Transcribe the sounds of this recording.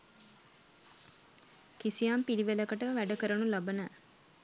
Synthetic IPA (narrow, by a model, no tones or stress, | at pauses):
kisijaːmpiliʋelɐkəʈəʋʋæɖɐkəɾɐnulɐbɐnæː